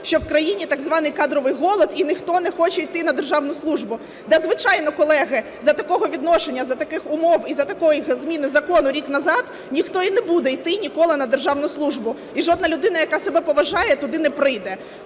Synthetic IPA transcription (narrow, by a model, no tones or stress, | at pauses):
ʃt͡ʃɔwkɾɐjinʲit̪ɑɡzʋɑnɪjkɑd̪ɾɔʋɪjɦɔlˠɔd̪inɪxt̪ɔnɛxɔt͡ʃɛijt̪ɪnɐd̪erʒɑwnʊslˠuʒbʊ | d̪ɛzʋɪt͡ʃɑjnɔkɔlˠɛɦɪ | zɐt̪ɐkɔɦɔʋʲid̪nɔʃenʲːɐzɐt̪ɐkɪxʊmɔwizɐt̪ɐkɔjizmʲinɪzɐkɔnʊɾʲiknɐzɑd̪ | nʲixt̪ɔinɛbud̪ɛijt̪ɪnʲikɔlˠɪnɐd̪erʒɑwnʊslˠuʒbʊ | iʒɔd̪nɐlʲʊd̪ɪnɐjɐkɑsebɛpɔʋɐʒɑjɛt̪ʊd̪ɪnɛpɾɪjd̪ɛ